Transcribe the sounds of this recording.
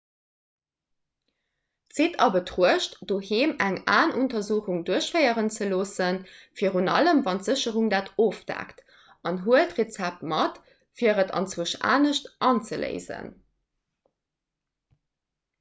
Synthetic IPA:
z̥eːtʰɑbətʁuəʃtd̥oːheːmæŋaːnʔuntɐzuːχuŋduəɕfəɪəʁənt͡səloːsənfiːəʁunɑləmvɑntz̥əɕəʁuŋdaːtʰoːfd̥æ̰ːkt | ɑnɦuətʁet͡sæp̚tmɑt | fiːəʁətɑ̰nt͡swuʃa̰ːnəʃtʔɑnt͡səlḛɪzə̰n

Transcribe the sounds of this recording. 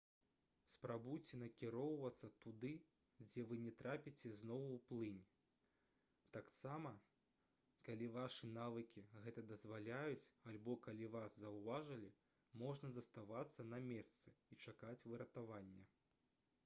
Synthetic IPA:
spɾabujt͡sʲɛnɐkʲiɾɔwvɐt̪sːɐt̪ud̪ɨ | d͡zʲɛvɨnʲɛt̪ɾapʲit͡sʲɛznɔwwplˠɨnʲ | t̪aksamɐ | kalʲivaʂɨnavɨkʲiɣɛt̪ɐd̪ɐzvalʲajut͡sʲalʲbɔkalʲivaszɐwvaʐɐlʲi | mɔʐnɐzɐst̪avat̪sːɐnɐmʲɛst̪sɨ̥it͡ʂakat͡sʲvɨɾɐt̪avanʲːɛ

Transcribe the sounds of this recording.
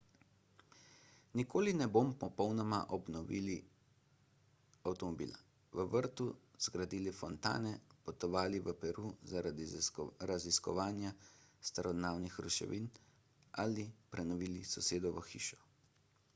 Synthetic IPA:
nikoːlinɛbompɔpɔwnɔmaʔɔbnɔʋḭːli | awt̪ɔmɔbḭːla | ʋəʋəɾt̪uz̥ɡɾad̪iːlifɔnt̪a̰ːnɛpɔt̪ɔʋaːliʋəpɛɾuːzaɾad̪ɾaziskɔ̰ʋaːnjast̪aɾɔd̪naːwnixɾuʃɛ̰ʋin | alipɾɛnɔʋiːlisɔseːd̪ɔʋəxḭːʃɔ̥

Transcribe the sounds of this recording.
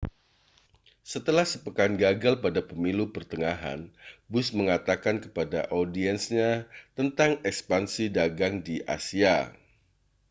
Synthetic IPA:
sət̪əlahsəpəkanɡaɡalpadapəmilupərt̪əŋaɦa̰nbʊsməŋat̪akankəpada̰ʔodiɛnsɲat̪ənt̪aŋɛkspansidaɡaŋdiʔa̰sia

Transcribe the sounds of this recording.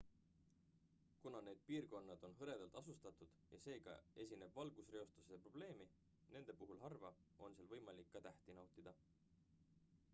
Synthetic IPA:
kunɑne̞ːd̪̥̚piːrko̞nːɑd̪̥o̞nɦɤɾe̞d̪̥ɑlt̪ˑɑsust̪ɑt̪ːˑud̪̥jɑse̞ːɡɑ̰e̞s̬ʲine̞b̥vɑlɡ̥usre̞o̞st̪useepro̞b̥le̞ːmi | ne̞nd̪̥e̞puɦulɦɑrvɑʔo̞nselvɤjmɑlikːɑt̪æht̪inɑwt̪ˑid̪̥ɑ

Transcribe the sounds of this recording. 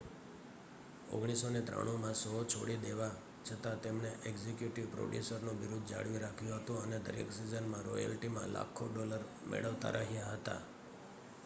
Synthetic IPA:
o̰ɡɽ̃isonet̪ɾa̰ɽ̃ũmãsot͡ʃʰoɽid̪eʋa | t͡ʃʰət̪at̪emɳeʔeɡzekjuʈiʋpɾo̰ɖjusəɾnũʋiɾud̪ʱd͡ʒa̰ɽʋiɾakʰjũɦət̪ũəned̪əɾḛksizənmãɾojə̰lʈimã̰la̰kʰoɖɔləɾ | mʔḛɭəʋt̪a̰ɾʔaɦijaɦət̪a̰

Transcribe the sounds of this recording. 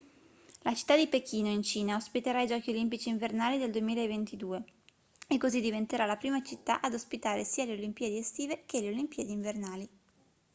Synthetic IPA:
lat͡ʃi̥t̪ːad̪ipekiːnoint͡ʃiːnaospit̪eɾaid͡ʒɔːk̟iolimpit͡ʃiːɱvernaːlid̪eld̪uemiːlaevent̪id̪uːe | ekːozid̪ivent̪eɾalapɾiːmat͡ʃit̪ːa̰ʔad̪ospit̪aːɾesiːaleolimpiːed̪iest̪iːvekeleolimpied̪iːɱvernaːli

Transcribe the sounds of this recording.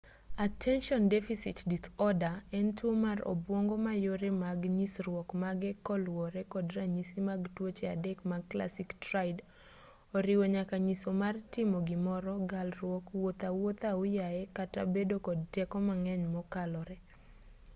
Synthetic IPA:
atʰɛnʃɔndɛfisɪtditɔdaɛntwomarɔ̰bwɔŋɡɔmajoɾɛmaɡɲisɾwɔkmaɡɛkɔlwɔɾɛkɔdraɲisimaɡtwot͡ʃeadɛkmaɡkla̰siktɾajd | ɔɾɪwoɲakaɲisomartɪmɔɡɪmɔɾɔɡalrwɔkwot̪awot̪aʊjaɛkatabedokɔd̚tɛkɔmaŋɛɲmɔkalɔɾɛ

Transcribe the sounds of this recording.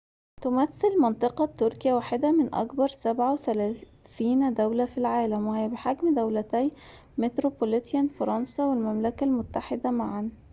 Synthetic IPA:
t̪omæθːelmɑnt̪ˤɨqɑt̪ːoɾkjæwaːħed̪æmɪnʔɑ̰kbɑɾˤsæbʕaweθælæː | θiːnd̪æwlæfilʕaːlæmwɪhejæbeħaɡmd̪æwlæt̪æj | met̪ɾopolet̪jænfɑɾˤɑnsɑwelmæmlækælmʊt̪ːaħed̪æmaʕan

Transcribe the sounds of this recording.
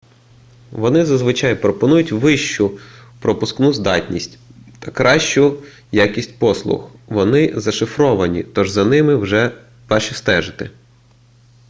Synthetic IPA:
ʋɔnɪzɐzʋɪt͡ʃɑjpɾɔpɔnujʊtʲʋɪʃt͡ʃʊpɾɔpʊsknuzd̪ɑ̰tʲnʲisʲtʲt̪ɐkɾɑʃt͡ʃʊ | jakʲisʲtʲpɔslˠʊ̰xʋɔnɪzɐʃɪfɾɔʋɐnʲḭt̪ɔʒzɐnɪmɪwʒɛ | ʋɑʃist̪ɛʒɪt̪ɪ

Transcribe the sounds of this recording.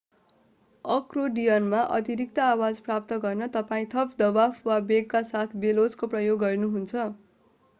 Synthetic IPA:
ʌkroɖijʌnmaʔʌ̰t̪iɾik̚t̪ʌːwad͡zprap̚t̪ʌɡʌrnʌt̪ʌpaĩt̪ʰʌpd̪ʌbafwabeɡkasat̪ʰbelod͡zkoprʌjoɡːʌrnuɦunt͡sʰʌ

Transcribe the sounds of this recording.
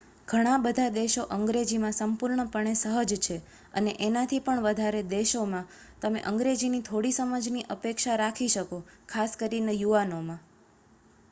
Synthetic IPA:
ɡ̥ʱəɽ̃ãbəd̪ʱad̪eʃoʔəŋɡɾed͡ʒimãsəmpuɾɳəpəɳ̃esəɦəd͡ʒt͡ʃʰe | ə̰neʔenat̪ʰipəɳʋəd̪ʱaɾed̪eʃomã | t̪əmḛʔəŋɡɾed͡ʒinit̪ʰoɽisəməd͡ʒniʔəpekʃaɾakʰiʃəkokʰaskəɾinejuʋanomã

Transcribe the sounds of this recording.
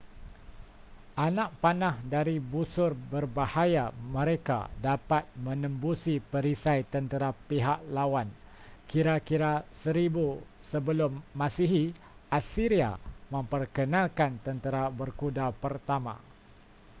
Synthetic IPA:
ʔanãʔ̚panãhdaɾibusʊrbərbahajamə̃ɾeka̰dapat̪̚mə̃nə̃mbusipəɾisajt̪ənt̪əɾapiɦaʔlawan | kiɾakiɾasəɾibu | səbəlʊmːãsiɦi | ʔasiɾia̰mə̃mpərkənãlkant̪ənt̪əɾabərkudapərt̪amã̰

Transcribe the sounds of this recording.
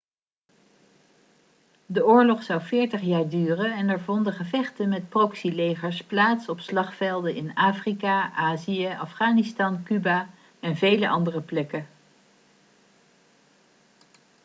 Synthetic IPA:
dəʊːɹlɔχsɑwvɪːɹtəχjaːɹdyːrənɛnɛɹvɔndəχəvɛχtənmɛt̚prɔksilejχəɹsplaːtsɔpslɑχfɛlˠdənʔɪnaːfrikaʔaːzijəʔɑfχaːnɪstɑnkyba | ɛnvejləʔɑndərəplɛkə

